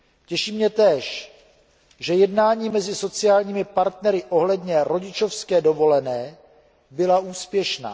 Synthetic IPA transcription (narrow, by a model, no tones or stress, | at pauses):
cɛʃiːmɲɛt̪ɛːʃ | ʒɛjɛdnaːɲiːmɛzɪso̞t͡sɪjaːlɲiːmɪpaɾt̪nɛɾɪʔo̞ɦlɛdɲɛɾo̞ɟɪt͡ʃofskɛːdo̞vo̞lɛnɛː | bɪlauːspjɛʃna̰ː